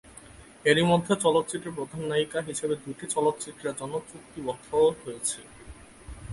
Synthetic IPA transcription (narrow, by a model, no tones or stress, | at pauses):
eɾimod̪ʱːet͡ɕɔlot̪ːt͡ɕiʈ̪ːɾeɾpɾod̪ʱanːaikaɦiʃebed̪uʈit͡ɕɔlot̪ːt͡ɕiʈ̪ːɾɾad͡ʑɔnːot͡ɕuk̚t̪ibɔt̪ʰːoɦojet͡ɕʰe